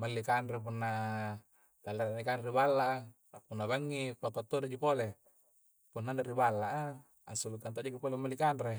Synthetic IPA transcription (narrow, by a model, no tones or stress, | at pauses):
malːikanɾep̬unːa | t̪alːaɾanikanɾibalːaʔ | punːabaŋːipak̪at̪ːodad͡ʒupole | punːanaɾibalːaʔa | asulukant̪̬oʔd͡ʒukipolemːalikanre